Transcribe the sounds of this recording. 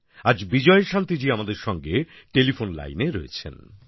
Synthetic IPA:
ad͡ʑbid͡ʑɔeʃant̪id͡ʑiamad̪eɾʃɔŋɡe | ʈelifonla̰jneɾɔet͡ɕʰḛn

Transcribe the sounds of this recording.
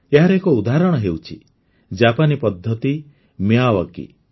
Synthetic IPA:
eɦaɾekɔud̪aɦɾɔɽ̃ɔɦewt͡ʃʰḭ | d͡ʒapanipɔd̪ʱːɔt̪i | mjawɔkḭ

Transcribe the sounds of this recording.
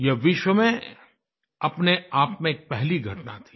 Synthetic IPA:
jɛʋɪʃwəmẽ | ɐpneaːpmẽeːk̚pɛɦliɡʱɐʈna̰t̪ʰi̥ː

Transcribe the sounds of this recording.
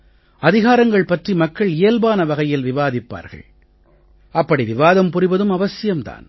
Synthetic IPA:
ɐðɪɣaːɾɐŋɡɐɭpɐʈrimɐkːɐɭeːlbaːnɐʋɐɣɐjɪlʋɪʋaːðɪpːa̰ːɾɣɐ̰ɭ | ɐpːɐɽiʋɪʋaːðɐmpʊrɪʋɐðɯmɐʋɐsɪjɐmt̪a̰ːn

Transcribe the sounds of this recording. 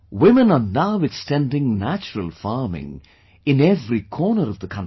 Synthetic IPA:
wɪ̃mə̃nənaʊwɪdstæ̃ndɪ̃ŋnæt͡ʃəɹəlˠfɑːmɪ̰̃ŋ | ɪ̃nɛvɾikʰɔːnəɾʌvðəkʰʌ̃n

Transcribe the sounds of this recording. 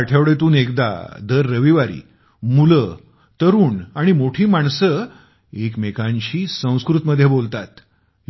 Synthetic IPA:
aʈʰeʋɽet̪̬uːnekd̪a̰d̪əɾːəʋiʋaɾḭː | mulə | t̪əɾuːnaɽ̃imoʈʰiːmaɳsə | ekmekãɲt͡ɕiːsə̃w̃skɾut̪məd̪ʱjebolt̪at̪

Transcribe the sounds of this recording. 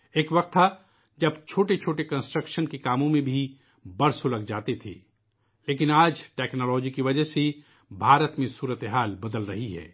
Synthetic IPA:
eːkʋɐq̚t̪ʰːa | d͡ʒɐbt͡ʃʰoːʈet͡ʃʰoːʈekɐ̃nsʈɾəkʃənkikaːmõmẽbʱi | bɐɾsolɐɡd͡ʒaːt̪et̪ʰḛː | leːkɪnaːd͡ʒʈɛːknɔːlɔːd͡ʒikiʋɐd͡ʒəɦse | bʱaːɾət̪mẽsuːɾət̪eɦaːlbɐd̪əlɾɐɦiɦɛ̰ː

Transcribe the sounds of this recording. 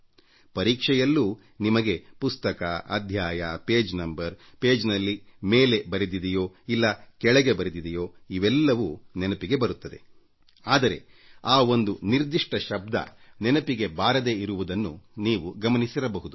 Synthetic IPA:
pɐɾiːkʂɛjɐlːuː | nimɐɡe̞pust̪ɐkɐɐ̰d̪ʱjaːjɐpe̞ːd͡ʒnɐmbɐɾpe̞ːd͡ʒnɐlːime̞ːle̞bɐɾid̪id̪ijo̞ːilːɐkɛɭɛɡe̞bɐɾid̪id̪ijo̞ːiʋɛlːɐʋunɛnɐpiɡe̞bɐɾut̪ːɐd̪e̞̰ | aːd̪ɐɾe̞̰ | aːo̞nd̪uniɾd̪iʂʈɐʃɐb̚d̪ɐ̰nɛnɐpiɡe̞baːɾɐd̪e̞ːiɾuʋud̪ɐnːuniːʋuɡɐmɐnisiɾɐbɐɦud̪u

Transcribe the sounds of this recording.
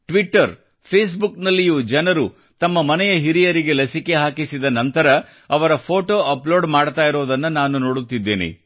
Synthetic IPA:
ʈʋiʈːɐɾ | pʰeːs̬buknɐlːijud͡ʒɛnɐɾu | t̪ɐmːɐmɐnɛjɐɦiɾijɐɾiɡe̞lɐsike̞ɦaːkisid̪ɐnɐnt̪ɐɾɐ | ɐʋɐɾɐpʰo̞ːʈo̞ːʔɐplo̞ːɖmaːɽt̪aːjiɾoːd̪ɐnːɐnaːnuno̞ːɽut̪ːid̪ːeːnḭ

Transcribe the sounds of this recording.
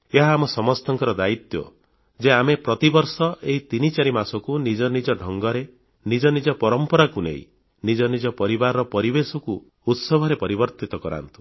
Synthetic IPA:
eɦaːmɔsɔmɔst̪ɔŋkɔɾɔd̪ait̪jɔ̰ | d͡ʒeamepɾɔt̪ibɔɾsɔʔeɦit̪init͡ʃaɾimasɔkunid͡ʒɔnid͡ʒɔɖʱɔŋɡɔɾe | nid͡ʒɔnid͡ʒɔpɔɾɔmpɔɾakunḛḭ̃ | nid͡ʒɔnid͡ʒɔpɔɾibaɾɔpɔɾibesɔkuː | t̪sɔbʱɔɾepɔɾibɔɾt̪it̪ɔkɔɾa̰nt̪u̥

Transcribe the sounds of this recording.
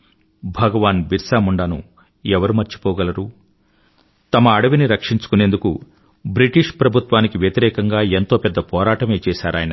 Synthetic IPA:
bʱɐɡɐʋaːnbiɾsaːmuɳɖanṵ | ɛʋɐɾumɐɾt͡ʃi̥pɔːɡɐlɐɾuː | t̪ɐmɐːɽɐʋiniɾɐkʂiɲt͡ʃu̥kunend̪ukṵ | bɾiʈiʂpɾɐbʱut̪ʋaːnikiʋjɐt̪iɾɛːkɐŋɡaːent̪o̞ːpɛd̪ːɐpɔːɾaːʈɐme̞ːt͡ʃɛːʃaːɾa̰ːjɐnɐ

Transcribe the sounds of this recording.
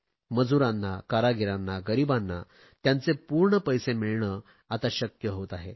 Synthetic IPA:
məd͡zuɾanːakaɾaɡʱiɾanːaɡəɾibanːa̰ | t̪jant͡sepuɾɳəpəjsemiɭɳə | at̪aɕəkjəɦot̪aɦe

